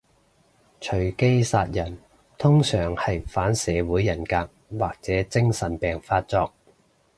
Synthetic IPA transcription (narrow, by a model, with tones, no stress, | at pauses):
t͡ʃʰɵ˨˩ɥke˥jsaː˧t̚jɐ˨˩n | t̪ʰʊ˥ŋsœː˨˩ŋhɐ˨jfaː˨˥nsɛː˨˧wuː˨˥jːɐ˨˩nkaː˧k̚waː˨k̚t͡sɛː˨˥t͡sɪ˥ŋsɐ˨˩npɛː˨˩ŋfaː˧t̚t͡sɔː˧k̚